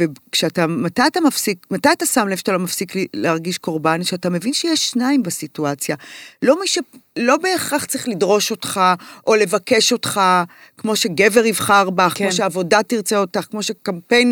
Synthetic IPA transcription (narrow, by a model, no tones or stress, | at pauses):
vekʃeatamatajat̪amafsikmatajat̪asamlevʃḁtalomafsiklileaʁɡiʃko̞ʁbaniʃeatame̞vinʃejeʃːnaimbasituat͡sjalo̞miʃelo̞beːχaχt͡sʁiχlidʁo̞ʃo̞t̪χaʔo̞le̞vake̞ʃo̞tχa | kmo̞ʃe̞ɡe̞ve̞ʁivχaʁbaχkmoʃeaːvo̞datiʁt͡seo̞taχkmo̞ʃe̞kampe̞jn